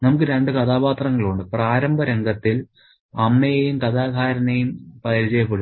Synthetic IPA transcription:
nɐmuk̬ːɨɾe̞ɳɖɨkɐt̪ʰaːpaːt̪rɐŋːɐɭuɳɖɨpraːɾɐmbʱɐɾeŋɡʱɐt̪ːil | ɐmːɐjɐjumkɐd̪aːɡʱaːɾɐnɐjumpɐjɾit͡ɕɐjɐpːɐɽu

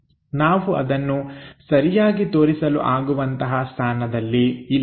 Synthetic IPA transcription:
naːʋuʔɐ̰d̪ɐnːusɐɾijaːɡit̪oːɾisɐlṵʔaːɡuʋɐnt̪ɐɦɐst̪ʰaːnɐd̪ɐlːiil

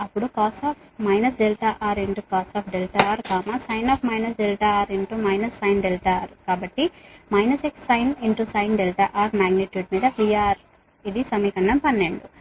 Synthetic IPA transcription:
ɐpːuɽukaːsaːpʰ | mɐjnɐs̬ɖelʈaːʔaːɾiɳʈukaːsaːpʰɖelʈaaːɾkaːmasɐjnaːpʰmɐjnɐsɖelʈaːaːɾiɳʈumɐjnɐsːɐjnɖelʈaɾkaːbɐʈːimɐjnɐseksːɐjniɳʈusɐjnɖelʈa̰ːʔaːɾmaːɡniʈjuːɖmiːd̪ɐpɾiːaːɾ | id̪isɐmiːkɐɳɖɐmpɐnːeɳɖu

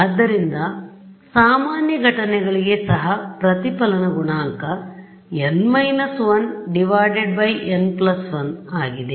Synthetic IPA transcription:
ɐd̪ːɐɾind̪ɐsaːmaːnjɐɡʱɐʈɐnɛɡɐɭiɡe̞sɐɦɐpɾɐt̪ipɐlɐnɐɡuɳaːŋkɐ | enmɐjnɐsʋɐnɖiʋaːɖeɖ̚bɐjenplɐsʋɐnaːɡid̪e

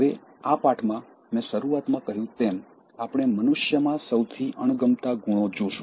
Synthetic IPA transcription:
əʋe | apaʈʰmã | mɛ̃ʃəɾuat̪mãkəɦjũt̪em | apɽ̃emənʊʃjəmãsəwt̪ʰiʔəɳ̃ɡəmt̪aɡuɽ̃od͡ʒoʃũ

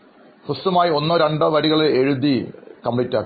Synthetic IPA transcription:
frɨstɐmaːjio̞nːɐɾɐɳɖɐʋɐɾiɣɐɭeeɻud̪ikɐmpɭitːaːkː

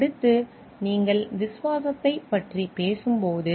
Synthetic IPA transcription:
ɐɽɯt̪ːɯ | niːŋɡɐɭʋɪsʊʋaːsɐt̪ːɐɪpːɐʈripeːsɯmpoːðɯ

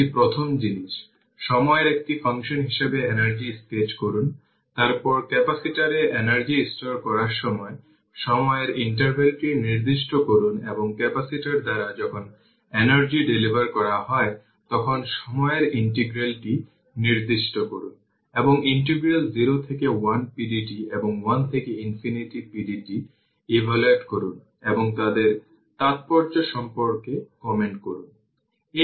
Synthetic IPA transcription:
ipɾot̪ʰomd͡ʑiniʃ | ʃɔmɔeɾek̚ʈifaŋʃonɦiʃebeenaɾd͡ʑisʈed͡ʑkoɾun | t̪aɾpɔɾkɛpasiʈaɾeʔenaɾd͡ʑisʈoɾkɔɾaɾʃɔmɔe | ʃɔmɔeɾiɳʈaɾbʱelʈiniɾd̪iʃʈokoɾuneboŋkɛpasiʈaɾd̪aɾad͡ʑɔkʰon | enaɾd͡ʑiɖelibaɾkɔɾaɦɔe | t̪ɔkʰonʃɔmɔeeɾiɳʈiɡɾalʈi | niɾd̪iʃʈokoɾun | eboŋiɳʈeɡɾeld͡ʑiɾot̪ʰekewanpiɖiʈieboŋwant̪ʰekeinfiniʈipiɖiʈi | ibʱaloeʈkoɾun | eboŋt̪ad̪eɾ | t̪at̪̚pɔɾd͡ʑoʃɔmpoɾkekɔmeɳʈkoɾun | e

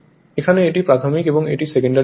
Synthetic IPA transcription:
ekʰaneeʈipɾat̪ʰomikeboŋḛʈisekoɳɖa

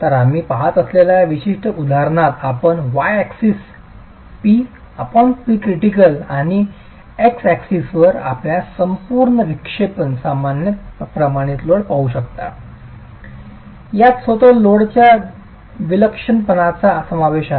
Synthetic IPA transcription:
t̪əɾam̤iːpaɦat̪əslelajaʋiɕiʂʈəud̪ʱaɾɳat̪apəɳʋajæksis | pi | apəɳpikɾiʈikəlaɽ̃i | eksæksisʋəɾa̰pljasəmpuːɾɳəʋikʂepənsamanjəpɾəmaɽ̃it̪loɽpauɕək̚t̪a̰ | jat̪sʋət̪oloɽt͡ɕja | ʋiləkʂənpənat͡sasəmaʋeɕa

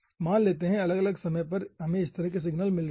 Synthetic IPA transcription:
maːnleːt̪eɦɛ̃ɐləɡɐləɡsɐməjpɐɾɦɐmẽɪst̪ɐɾɐɦkes̬ɪɡnəlmɪlɾ

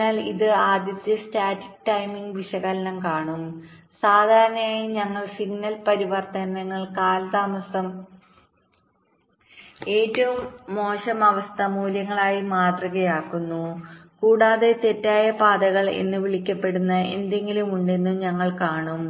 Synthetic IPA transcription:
aːliðɨaːd̪jɐt̪ːjɐstaːtiʈːɐjmiŋɡʋiɕɐɣɐlɐnɐmkaːɳum | saːd̪ʱaːɾɐnɐmaːjiɲɐŋːɐɭsiŋnɐlpɐɾiʋɐrt̪ɐnɐŋːɐɭkaːlɐd̪aːmɐsɐm | e̞ːtːɐʋumːo̞ːɕɐmɐʋɐst̪ʰɐmuːljɐŋːɐɭaːjimaːt̪rɐɣɐjaːkːunːukuːɽaːðe̞t̪e̞tːaːjɐpaːd̪ɐɣɐɭḛnːɨʋiɭikʲːɐpːe̞ɽunːɐe̞̰nd̪e̞ŋɡilumuɳɖe̞nːumɲɐŋːɐɭkaːɳum

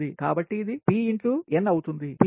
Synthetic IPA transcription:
ika̰ːbɐʈːiːd̪ipiːiɳʈluenːɐwut̪und̪ip

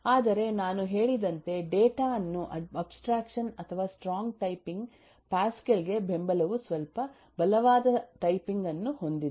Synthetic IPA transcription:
aːd̪ɐɾe̞naːnuɦe̞ːɭid̪ɐnt̪e̞ɖeːʈaːɐnːuʔɐɐbsʈɾaːkʂɐnɐt̪ʰɐʋaːsʈɾaːŋɡʈɐjpiŋɡ | paːskelɡe̞be̞mbɐlɐʋusʋɐlpɐ | bɐlɐʋaːd̪ɐʈɐjpiŋɡɐnːuho̞nd̪id̪

